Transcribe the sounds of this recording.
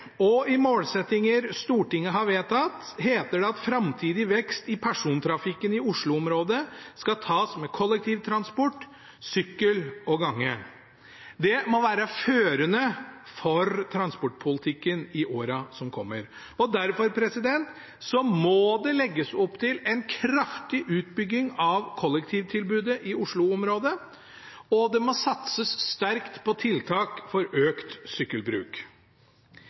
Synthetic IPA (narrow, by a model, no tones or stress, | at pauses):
ɔɪmoːlsɛt̪ːɪŋəɾst̪uːʈɪŋːəɦɑʋeːt̪ɑt̪ɦeːt̪əɖɛɑt̪fɾɑmt̪ʰiːd̪ɪʋɛkst̪ɪpʰæʂuːnt̪ʰɾɑfɪkːənɪʊʂɭʊɔmɾoːd̪əskɑt̪ʰɑːsmɛkʰɔlːɛk̚t̪ʰiːʋt̪ʰɾɑnspɔʈː | sʏkːəlɔɡɑŋːə | d̪ɛmɔʋæːɾəføːɾənəfɔɾt̪ʰɾɑnspɔʈːpʰʊlɪt̪ʰɪkːənɪʔoːɾɑsɔmkʰɔmːəɾ | ɔd̪æɾfɔɾpʰɾɛsɪd̪ɛnt̪ | sɔmɔd̪ɛlɛɡːəsɔpːt̪ʰɪlɛnkʰɾɑft̪ɪʔʉːt̪bʏɡːɪŋɑʋkʰɔlːɛkt̪ʰiːʋt̪ʰɪlbʉːd̪əʔɪʊʂɭʊɔmɾoːd̪ə | ɔd̪ɛmɔsɑt̪səsːt̪æɾkt̪pʰɔt̪ʰɪlt̪ʰɑːkfɔɾøːkt̪sʏkːəlbɾʉ̰ːk